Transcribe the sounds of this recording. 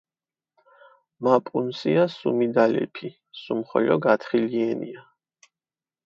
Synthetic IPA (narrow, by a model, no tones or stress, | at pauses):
mapʼunsiasumid̪alɛ̰pʰi | sumχɔ̰ʎɔɡat̪ʰχiliɛnia